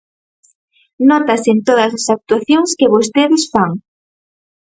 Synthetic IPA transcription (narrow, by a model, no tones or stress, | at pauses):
nɔt̪ɐsent̪oðɐsɐsak̚t̪uaθjoŋskɪβost̪eðɪsfaŋ